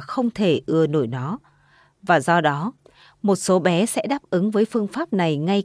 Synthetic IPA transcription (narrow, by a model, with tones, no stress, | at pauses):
xə˧wŋ͡mt̪ʰe˧˩ʔɨ˧˩əno̰˧˩jnɔ˨˦ | vaː˨˩zɔ˧ɗɔ˨˦ | mo˨˩t̚so˨˦ɓɛ˨˦sɛ̰˧˥ɗaː˦˥p̚ʔɨ˨˦ŋvəː˨˦jfɨ˧əŋfaː˦˥p̚na˨˩jŋa˧j